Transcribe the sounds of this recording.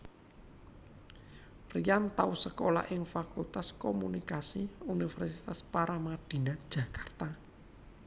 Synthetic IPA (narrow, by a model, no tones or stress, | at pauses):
rijant̪ausəkola̰ʔɪŋfakult̪askomunikasiunifɛrsit̪aspaɾamad̪̥i̤nad̥ʒ̥a̤kart̪a